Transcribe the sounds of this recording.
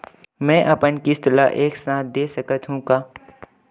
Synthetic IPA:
mɛ̃ːʔɐpənkɪst̪la̰ʔeːksãːt̪̚d̪eːsəkət̪ɦũkaː

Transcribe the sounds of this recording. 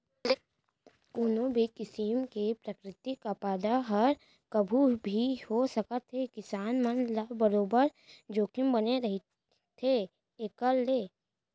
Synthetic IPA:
l | koːnõbʱekɪsimkepɾəkɾɪt̪ikapaːd̪aɦɐɾ | kɐbʱubʱihosəkət̪ʰːekɪsaːnmənlabəɾoːbəɾd͡ʒoːkʰɪmbɐneɾɐɦi | t̪ʰe | eːkəlːeː

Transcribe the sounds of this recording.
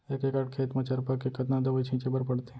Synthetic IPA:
eːkekɐʈ̚kʰeːt̪mɐ̃t͡ʃɐɾpakekɐt̪nad̪ɐbəit͡ʃʰĩːt͡ʃebəɾpɐɽt̪e

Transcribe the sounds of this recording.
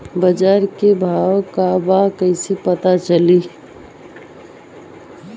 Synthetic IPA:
bəd͡ʒaːɾkebʱawkabakəɪsepət̪at͡ʃəli

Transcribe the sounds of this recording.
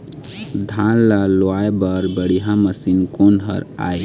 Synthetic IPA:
d̪ʱãnlaloaebəɾbəɽiɦãməsinkonɦə̰ɾa̰j

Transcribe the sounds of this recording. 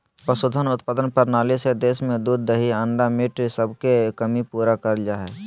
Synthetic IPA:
pəsʊd̪ʱənʊt̪paːd̪ənpəɾnaːlised̪eːsmẽd̪uːd̪̚ːəɦiə̃ɳɖamɪʈsəbʱkekəmipuːɾakəɾd͡ʒaɦɛː

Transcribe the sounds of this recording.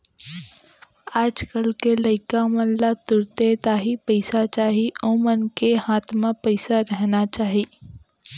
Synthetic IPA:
aːd͡ʒkəlkelɐɪkamɐnlat̪ʊɾt̪et̪aːɦipɐɪsat͡ʃaːɦiɔːmɐnkehaːt̪ʰmãpəɪsaɾɛɦnat͡ʃaːɦiː

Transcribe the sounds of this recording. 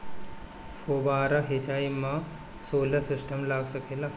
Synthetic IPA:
fobaːɾaɦet͡ʃaimã | soːlɐsɪsʈʰəmlaːɡsəkʰela

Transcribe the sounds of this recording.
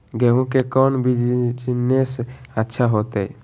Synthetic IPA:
ɡeɦũkekɔnbid͡ʒd͡ʒnesətːʃʰaɦot̪eɛ

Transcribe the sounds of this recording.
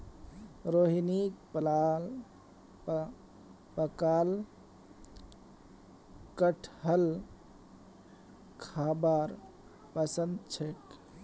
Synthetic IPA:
ɾoɦinik̚pla | pəkal | kəʈʰɦəl | kʰabaɾ | pəsənd̪t͡ʃʰek

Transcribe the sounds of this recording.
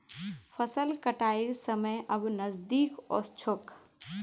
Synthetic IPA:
fʰəsəlkəʈaːisəməjʔɐbnɐzd̪iːkɔ̰ːst͡ʃʰok

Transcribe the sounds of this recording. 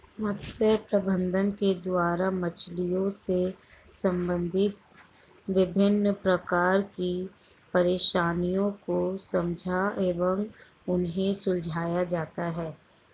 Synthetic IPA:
mɐt̪səpɾəbə̃nd̪ʱənked̪waːɾamɐt͡ʃlijõsesɐ̃mbə̃nd̪ʱɪt̪̚ | ʋɪbʱɪnːpɾɐkaːɾki | pɐɾeːʃaːnijõkosɐ̃md͡ʒʱaeːʋə̃ŋ | ʊnɦẽsʊld͡ʒʱaːjad͡ʒaːt̪aɦɛː

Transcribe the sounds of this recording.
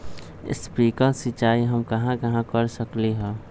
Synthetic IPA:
ɪ̰spɾiːkəsit͡ʃaːiɦɐmkɐɦãkɐɦãkəɾsəkliɦɛ̃ː

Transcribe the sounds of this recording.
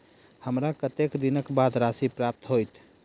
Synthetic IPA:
həmɾakət̪ekd̪inəkbad̪ɾasipɾap̚t̪ɦojt̪ʰ

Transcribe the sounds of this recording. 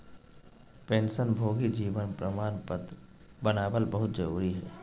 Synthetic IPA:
pẽːnsənbʱoːɡid͡ʒiːʋənpɾəmaːnpət̪ | bənaːbəlbəɦʊt̪d͡ʒəɾuːɾiɦɛː

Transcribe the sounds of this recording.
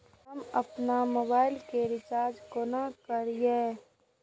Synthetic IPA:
ɦɐmɐ̰pnamoːbaːɪlkeɾɪt͡ʃaːɾd͡ʒkoːnakəɾije

